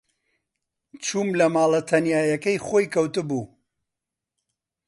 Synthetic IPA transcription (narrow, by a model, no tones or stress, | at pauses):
t͡ʃumlɐmaːlˠɐt̪ʰɐnjaːjɐkɐjχojkʰɐwt̪ɨbuː